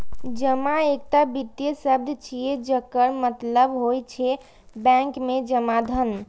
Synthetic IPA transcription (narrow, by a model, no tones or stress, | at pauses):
d͡ʒəmaek̚ʈabit̪jəsəbd̪ʱt͡ʃʰijed͡ʒəkːəɾmət̪ləbɦojt͡ʃʰɛ | bɛ̃ŋkmed͡ʒəmad̪ʱən